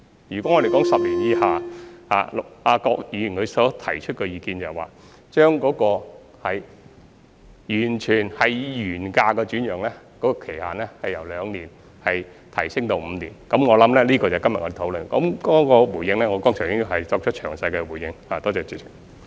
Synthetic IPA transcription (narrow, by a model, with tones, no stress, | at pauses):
jyː˨˩kwɔ˨˥ŋɔ˨˧ɾe˨kɔː˨˥ŋsɐ˨p̚liː˨˩njiː˨˧haː˨ha̰ː˨˩laː˧kɔː˧k̚jiː˨˧jnkʰɵ˨˧sɔː˨˥t̪ʰɐ˨˩jt͡ʃʰɵ˥t̚kɛ˧jiː˨˧kiː˧nt͡sɐ˨˩waː˨˩ | t͡ʃœː˥ŋkɔː˨˧˥kɔː˧ | hɐ˨j | jyː˨˩nt͡ʃʰyː˨˩nhɐ˨jjyː˨˩nkaː˧kɛː˧t͡ʃyː˨˥njœː˨˩ŋlɛ˥kɔ˨˥kɔː˧kʰe˨˩jhaː˨nlɛː˥hɐ˨jɐ˨˩wlœː˨˧ŋniː˨˩n | hɐ˨j | t̪ʰɐ˨˩jsɪ˥ŋt̪o˨˧wm̩˨˧niː˨˩nkɐ˨˥mŋɔː˨˧lɐ˨˥mlɛː˥liː˥kɔː˧t͡sɐ˨˩wkɐ˥mjɐ˨t̚ɔ˨˧e˨˩t̪ʰwlɵ˨nkɐ˨˧˥mkɔː˨˥kɔː˧wuː˨˩jɪ˧ŋlɛː˥ŋɔ˨˧kɔː˥ŋsʰœː˨˩ŋjɪ˥ji˨˧˩ɦɐ˨˩jt͡sɔː˧k̚t͡ʃʰɵ˥t̚t͡ʃʰœː˨˩ŋsɐ˧jkɛ˧wuː˨˩jɪ˧ŋhaː˨˩t̪ɔː˥t͡sɛː˧t͡syː˨˧˩